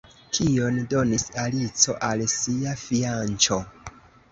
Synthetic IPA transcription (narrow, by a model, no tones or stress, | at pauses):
kʰio̞ndo̞nisalit͡so̞ʔalsiafiant͡ʃo̞